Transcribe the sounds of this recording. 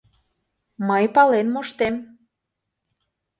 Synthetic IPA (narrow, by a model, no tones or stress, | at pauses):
məjpɑlenmoʃt̪em